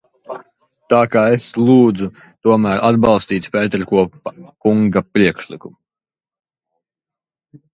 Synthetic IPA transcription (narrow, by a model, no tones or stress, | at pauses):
t̪aːkaːeslˠuːd̪zu | t̪uɔmæːɾʔad̪̚bɑlˠst̪iːt̪spɛːt̪eɾkuɔkuŋɡapɾiɛkʃlˠikumu